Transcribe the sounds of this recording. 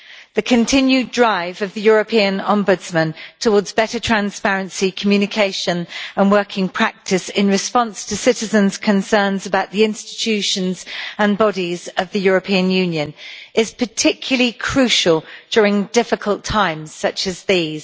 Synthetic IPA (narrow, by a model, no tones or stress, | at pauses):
ðəkʰə̃ntʰɪ̃njʉdɹaɪvəvðəjɔːɹəpʰĩə̃nɒ̃mbədz̥mə̃ntʰəwɔːdzbɛtətʰɹ̥ãnspæɹə̃nsikʰəmjʉːnɪkʰeɪʃə̃nə̃nwɜˑkʰɪ̃ŋpʰɹ̥ak̚tʰɪsɪ̃nɹɪspɒ̃nstʰəsɪtɪzə̃nz̥kʰə̃nsɜːnzəbaʊʔðiɪ̃nstɪ̥t͡ʃʰʉˑʃə̃nzə̃nbɒɾizəvðəjɔːɹəpʰĩə̃njʉ̃njə̃nʔɪz̥pʰətʰɪkʰjl̩ˠəlikʰɹ̥ʉˑʃəlˠd͡ʒ̥jɔːɹɪ̃ŋdɪfɪkʰəlˠtʰãɪ̃mz̥sʌt͡ʃəzðiːz̥